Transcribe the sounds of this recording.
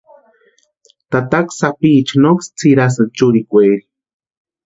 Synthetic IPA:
t̪at̪aksapiːt͡ʃnokst͡sʰiɾas̬at͡ʃuɾikʷeːɾi

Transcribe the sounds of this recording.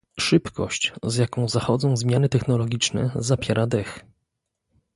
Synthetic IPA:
ʂɘpkɔ̰ɕt͡ɕzʲjakɔ̃w̃zaxɔd̪zɔ̃w̃zmʲjanɘt̪ɛxnɔlɔɡʲit͡ʂnɛ̰zapʲjɛɾʔad̪ɛx

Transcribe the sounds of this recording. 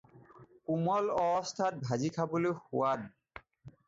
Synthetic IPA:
kumɔlɔɔstʰat̚bʱazikʰabolojxʊ̰wan

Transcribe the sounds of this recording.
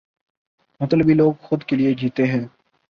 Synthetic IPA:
mɐt̪ləbiloːɡxʊd̪kelied͡ʒiːt̪eɦɛ̃ː

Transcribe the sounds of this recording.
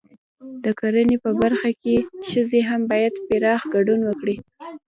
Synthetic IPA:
d̪əkaɾənepəbaɾxakeʃəzeɦambɑjad̪pɪɾɑxɡaɖunwəkɽi

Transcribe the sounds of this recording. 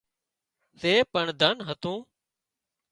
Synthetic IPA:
seːpəɳd̪ʱənɦət̪ũː

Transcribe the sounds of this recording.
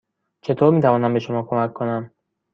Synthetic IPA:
t͡ʃʰe̞t̪ʰoːɾmiːt̪ʰævɒːnæmbeʃomɒːkʰo̞mækʰːonæm

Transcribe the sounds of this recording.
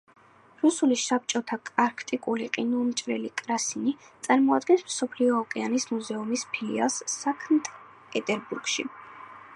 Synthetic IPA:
ɾusulisap̚t͡ʃʼɔt̪ʰakʼaɾkʰt̪ʼikʼuliqʼinumt͡ʃʼɾɛ̰likʼɾasinit̪sʼaɾmɔad̪ɡɛnsmsɔpʰliɔːkʼɛanismuzɛumispʰilḭa̰lˠsːakʰmt̪ʰʼ | pʼɛt̪ʼɛɾbuɾɡʃḭ

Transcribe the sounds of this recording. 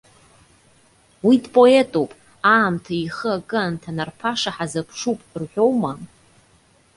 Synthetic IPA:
widpʼo̞etʼowpʼ | aːmtʰaiχəakʼɨntʰanarpʰaʂaħazapʰʂupʼrħʷᶣo̞wma

